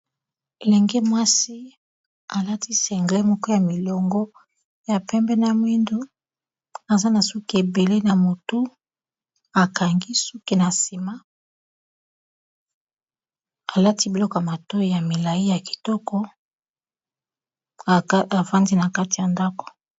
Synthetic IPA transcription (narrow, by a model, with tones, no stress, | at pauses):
e˨lɛ˨ŋɡe˦mwa˦si˦ | a˨la˦ti˦sɛ˨ŋɡle˦mɔ˦kɔ˦ja˨mi˨lɔ˨ŋɡɔ˦ | ja˨pɛ˦mbɛ˦na˦mwi˦ndu˦ | a˨za˦na˨su˦ki˦e˨be˨le˦na˨mo˨tu˦ | a˨ka˨ŋɡi˦su˦ki˦na˨si˨ma˦ | a˨la˦ti˦bi˨lɔ˦kɔ˨a˨ma˨to˦ja˨mi˨la˨ji˦ja˨ki̥˨tɔ˦kɔ˦˨ | a˨va˦ndi˦na˨ka˦ti˨ja˨nda˦kɔ̥˨